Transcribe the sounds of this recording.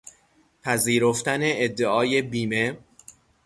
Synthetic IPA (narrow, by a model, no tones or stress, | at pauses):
pʰæziːɾoft̪æne̞ːd̪ːeʔɒːje̞biːme̞